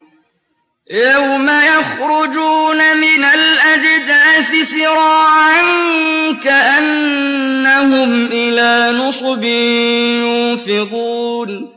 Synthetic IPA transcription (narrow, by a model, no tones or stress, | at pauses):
jawmajaxɾʊd͡ʒuːnamɪnalʔad͡ʒɪd̪aːθɪsɪɾɑːʕaŋkaʔanː | ahʊmʔɪlaːnʊsˤbɪjʊnfɪquːn